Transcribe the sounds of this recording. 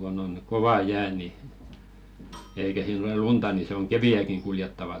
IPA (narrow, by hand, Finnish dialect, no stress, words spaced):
ɡ̊on oŋ koʋɑ jæː ni eikæ siːn olel luntɑ niː se oŋ keʋiæˑkiŋ kuljetːɑʋɑ